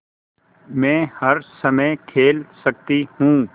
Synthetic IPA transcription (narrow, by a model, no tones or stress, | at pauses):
mɛ̃ːhɐɾsɐməkʰeːlsɐk̚t̪ihũː